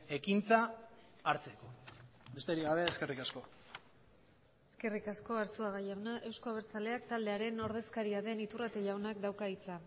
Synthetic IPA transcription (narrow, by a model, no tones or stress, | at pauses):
e̞kint͡saː | ɾt͡seko̞be̞st̪eɾiɣaβe̞ːske̞rikasko̞ | e̞ske̞rikasko̞aɾsuaɣaʝawnaʔe̞wsko̞aβeɾt͡sale̞akt̪ald̪e̞aɾe̞no̞ɾð̞e̞skaɾiaðe̞nit̪urat̪eʝawnak̚d̪awkait͡sa